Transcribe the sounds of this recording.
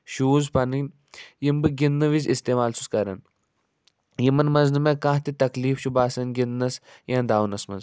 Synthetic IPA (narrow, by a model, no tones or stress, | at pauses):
ʃuːzpɐnɨn | jimbɨɡinːɨʋizist̪eːmaːlsu̥skɐɾɐn | jimɐnmɐnznɨmekãɦt̪it̪ɐkliːfʃubaːsɐnɡinːɐs | jãːnd̪aːwnɐsmɐ̰nz